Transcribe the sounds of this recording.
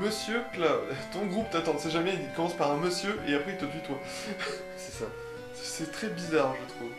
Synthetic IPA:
məsjøklat̪ɔ̃ɡʁupt̪at̪ɑ̃sɛʒamɛiikɔmɑ̃spaʁɛ̃məsjøʔeapχɛilt̪əpyt̪wa | sɛ̥sa | sɛ̥sɛt̪χɛbizaʁʒət̪χuv

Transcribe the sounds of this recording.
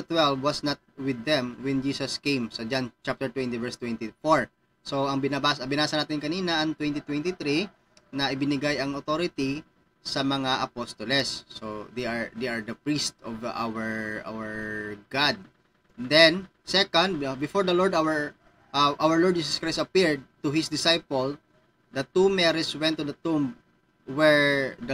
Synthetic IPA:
t̪wɛlvwɐsnɐt̪̚wɪd̪ːɛmwɛnd͡ʒiːsɐskẽjmsɐd͡ʒant͡ʃap̚t̪ɛɹt̪wɛ̃nt̪ivɛɹst̪wɛ̃nt̪ifoɹ | soɐŋbɪnabaːsɐbɪnaːsɐnaːt̪ɪnkɐniːnɐʔɐŋt̪wɛ̃nt̪it̪wɛ̃nt̪it̪ɾi | nɐʔɪbɪnɪɡajɐŋot̪oɾɪt̪i | sɐmɐŋaʔɐpost̪ɔlɛsːod̪ejaɹd̪ejɐɹd̪ɐpɹist̪ɔvʔa̰wɛɹʔa̰wɛɹɡad̪̚ | d̪ɛn | sɛkond̪̚bɪfoɹd̪ɐloɹd̪awɛɹ | ʔɐʔawɛɹloɹd̚d͡ʒiːsɐskɹajsɐpiɹd̪̚t̪ʊhɪsd̪ɪsajpol | d̪ɐt̪umɛɾɛswɛ̃nt̪ːud̪ɐt̪um | wɛɹd̪

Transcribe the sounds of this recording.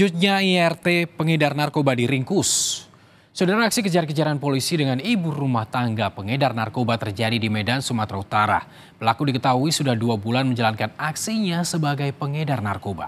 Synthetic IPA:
ut̪̚ɲaiɛrt̪epəŋedarnarkobadiɾiŋkʊs | sodaɾaːksikəd͡ʒaɾkəd͡ʒaɾanpolisidəŋaniburumaht̪aŋɡapəŋedarnarkobat̪ərd͡ʒadidimedansumat̪ɾaut̪aɾa̰ | pəlakudikət̪aɦuisudahduabulanməɲd͡ʒalankanaksiɲasəbaɡajpəŋedarnarkoba̰

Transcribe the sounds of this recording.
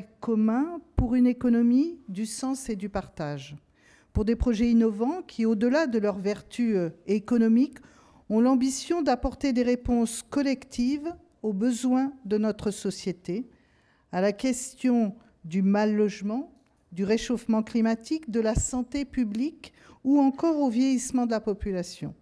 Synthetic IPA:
kɔmɛ̃puʁynekɔnɔmid̪ysɑ̃sed̪ypaʁt̪aʒ | puʁd̪epχɔʒɛinɔvɑ̃kʲʰiod̪əlad̪əlœʁvɛʁt̪yekɔnɔmik | ɔ̃lɑ̃bisjɔ̃d̪apɔʁt̪ed̪eʁepɔ̃skɔlɛkt̪ʰiv | obəzwɛ̃d̪ənɔt̪χəsɔsjet̪e | alakʲɛst̪jɔ̃ | d̪ymalːɔʒmɑ̃ | d̪yʁeʃofmɑ̃klimat̪ikd̪əlasɑ̃t̪epyblik | uɑ̃kɔʁovjɛjismɑ̃d̪əlapɔpylasjɔ̰̃

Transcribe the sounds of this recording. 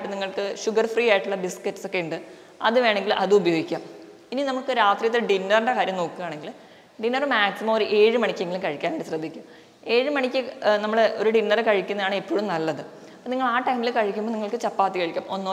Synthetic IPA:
ʈːɨniŋːɐɭkɨɕuɡɐrfriːaːjiʈːuɭːɐbisketːɨso̞kːeuɳɖɨ | ɐ̰ðɨʋe̞ːɳe̞ŋɡilʔɐðɨubɐjo̞ːɡikʲːaːm | ininɐmːuɭkɨɾaːt̪rijɐt̪ːeɖinːɐrɳɖekaːɾjɐmno̞ːkːuɣaːɳe̞ŋɡil | ɖinːɐrɨmaːksimɐmoɾuʔe̞ːɻɨmɐɳikʲːeŋɡilukɐɻikʲːaːneɳɖiɕrɐd̪ʱːikʲːum | e̞ːɻɨmɐɳikʲːɨnɐmːɐɭeʔo̞ɾuɖinːɐrekɐɻikʲːunːɐðaːɳɨepːoːɻumnɐlːɐðɨ | ɐpoːniŋːɐɭaːʈːɐjmilekɐɻikʲːumboːniŋːɐɭkɨt͡ɕɐpːaːt̪ːikɐɻikʲːaːmʔo̞nːo

